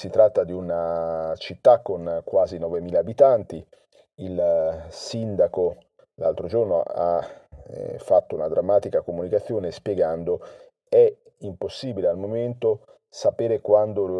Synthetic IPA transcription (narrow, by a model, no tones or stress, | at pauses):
sit̪ɾat̪ːad̪iunat͡ʃit̪ːakːonkwaːzinɔːvemiːlaːbit̪ant̪i | ilsind̪ako | la̰lt̪ɾod͡ʒornoa̰ | fːat̪ːounad̪ɾamːaːt̪ikakomunikat̪sːjoːnespjeɡand̪o | ɛ | imposːiːbilealmoment̪o | sapeːɾekwand̪o